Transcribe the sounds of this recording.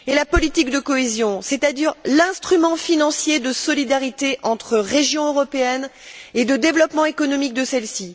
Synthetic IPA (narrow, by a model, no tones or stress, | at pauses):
elapɔlit̪ikd̪əkɔezjɔ̃set̪ad̪iʁlɛ̃st̪χymɑ̃finɑ̃sjed̪əsɔlid̪aʁit̪eʔɑ̃t̪χəʁeʒjɔ̃øʁɔpeɛned̪əd̪evlɔpmɑ̃ekɔnɔmik̚d̪əsɛlsi